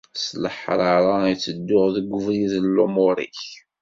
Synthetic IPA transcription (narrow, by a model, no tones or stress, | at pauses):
sləħɾˤaɾˤɑjt͡sːəd̪ːʊʁðəɡʷʊvɾiðəlːumʊɾḭç